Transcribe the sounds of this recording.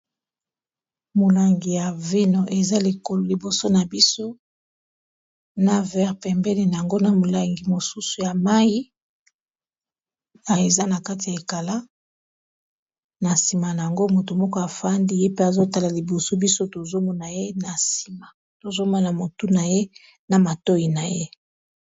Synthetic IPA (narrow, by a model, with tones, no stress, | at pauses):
mo˨la˨ŋɡi˨ja˨vi˦no˨ʔe˨za˦li˨ko˨lo˨li˨bo˨so˦na˨bi˦so˦ | na˨vɛ˦ʁpɛ˨mbɛ˦ne˨na˨ja˨ŋɡo˦na˨mo˨la˨ŋɡi˨mo˨su˦su˨ja˨ma˦ji˦ | a˨e˨za˦na˨ka˦t̬i˨ja˨e˨ka˨la˦ | na˨si˨ma˨na˨ja˨ŋɡo˦mo˨tu˨mɔ˦ko˦a˨fa˦ndi˦je˦pe˦a˨zo˦ta˨la˨li˨bo˨so˦bi˦so˦to˨zo˦mɔ˦na˨je˦na˨si̥˨ma˨ | to˨zo˦ma˦na˨mo˨tu˦na˨je˦ | na˨ma˨to˦i˨na˨je˦